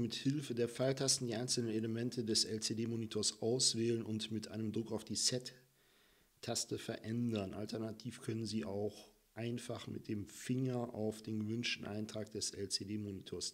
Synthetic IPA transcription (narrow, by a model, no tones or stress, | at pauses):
mɪthɪlfədeːɐfaltʰastn̩diːʔaɪnsl̩nəneləmɛntʰədɛsɛlt͡sedeːmoːnitʰoːɐsʔaʊsv̥ɛːlənʊntmɪtʔa̰ɪnəmdʁʊkaʊfd̥iːsɛtː | astəfɛɐʔɛndɐnʔa̰ltɛɐnatʰiːfkʰœnənziːʔaʊx | ʔaɪnfaχmɪ̰t̚d̥eːmfɪŋɐʔa̰ʊfd̥eːnɡəvʏnʃtn̩ʔaɪntʁ̥aːk̚d̥ɛsɛ̰lt͡sedeːmoːnitʰoːɐs